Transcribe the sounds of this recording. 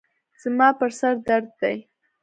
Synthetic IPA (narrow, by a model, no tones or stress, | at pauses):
z̥mɑpəɾsaɾd̪aɾd̪̚ːaj